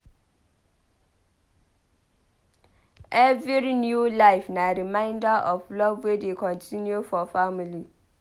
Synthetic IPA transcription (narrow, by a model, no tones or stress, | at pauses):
ɛviɾinjulaɪfnaɾimãɪ̃ndaʔɔflɔbwedekʰɔ̃ntʰinjofɔfamili